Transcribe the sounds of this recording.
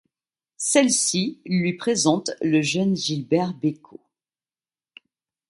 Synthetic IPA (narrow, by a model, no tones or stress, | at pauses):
sɛlsilɥipχezɑ̃t̪ləʒœnʒilbɛʁbekʰo